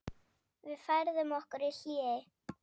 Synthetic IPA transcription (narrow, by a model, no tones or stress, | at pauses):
vɪðfajɾðʏmɔhkʏɾɪl̥iːɪ